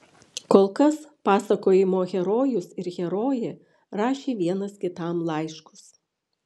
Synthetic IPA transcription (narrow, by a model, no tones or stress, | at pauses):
koːlˠkɐspɑːsɐkoːjɪmoːɣʲɛɾoːjʊsɪɾɣʲɛɾoːje | ɾɑːʃʲeːʋʲiɛnɐskʲɪt̪ɑˑmlˠɐɪʃkʊ̥s